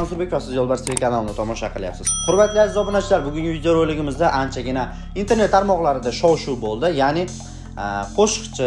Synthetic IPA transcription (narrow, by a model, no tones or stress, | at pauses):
ansʊɾbe̞kʲʰɒsɪzjɒlˠbaɾt̪ʰelʲekʰanalˠnɪt̪ʰɒmɒʃaqʰɨlˠja̰psɪz̥χʊɾbat̪lazɒbɪnat͡ʃʰɪlaɾbʊɡʲʊnŋɡʲɪvʲid̪oɾojlːɪɡʲɪmɪzd̪aʔant͡ʃʰaɡʲɪna | int̪ʰeɾne̞t̪ːaɾmɒʁlˠaɾɪd̪aʃɒwʃubolˠd̪ɪjanɪ | qʰoʃɨqt͡ʃʰɪ